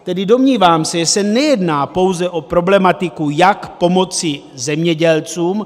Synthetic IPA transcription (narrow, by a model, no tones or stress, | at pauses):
t̪ɛdɪdo̞mɲiːvaːmsɛʒɛsɛnɛjɛdnaːpo̞wzɛʔo̞pɾo̞blɛmat̪ɪkujakpo̞mo̞t͡sɪ | zɛmɲɛɟɛlt͡suːm